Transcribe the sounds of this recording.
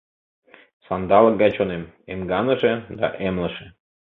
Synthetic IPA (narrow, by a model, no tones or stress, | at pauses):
sɑnd̪ɑlɡɑt͡ɕonem | emɡɑnəʒed̪ɑ̰ʔemləʃe